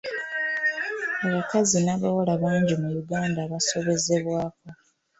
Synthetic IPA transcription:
aβakazinaβawolaβaːɲɟimujuɡaːndaːβaso̞βe̞ze̞βwaːko̞

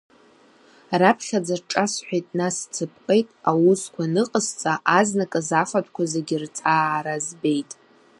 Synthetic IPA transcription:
rapʰχʲad͡zarʈ͡ʂʼasħʷᶣajtʼnast͡sʰɨp̚ʰʼqʼejtʼawuskʷʰanɨqʼəzt͡sʼaʔaznakʼazafatʷʰʼkʷazeɡʲɪrt͡sʰaːɾazbe̞jtʼ

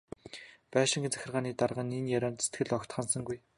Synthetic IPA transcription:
pæːʃɪ̆ŋɡĕnt͡sæ̥xʲɪ̆rʁaːniːt̪arʁə̆niːnjaɾʲɔːnt̪se̥t̪ɡɘ̆ɮɔkt̪χăːnsə̆ŋɡuj

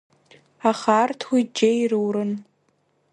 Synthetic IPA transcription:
aχartʰwid͡ʒejrɨwɾɨn

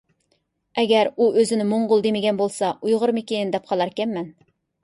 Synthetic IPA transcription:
ɛɡʲɛɾuʔøzɪnɪmoɴʁʊlˠd̪emɪɡʲɛnbolˠsɑujʁʊɾmekʲenɪnd̪ɛp̚qʰɑlˠɑɾkʲɛmːɛn

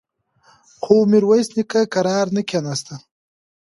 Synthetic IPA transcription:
xomiɾwajsnikakaɾɑːɾnəkʲanast̪a

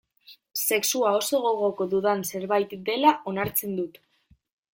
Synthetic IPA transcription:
se̞ksuao̞so̞ɣo̞ɣo̞ko̞ðuðanse̞ɾβajt̪d̪e̞laʔo̞naɾt͡se̞nd̪ut̪

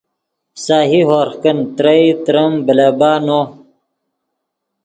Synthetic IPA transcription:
saːɦiɦoːɾxkənt̪ɾəit̪ɾɐmbəlabaːnoː

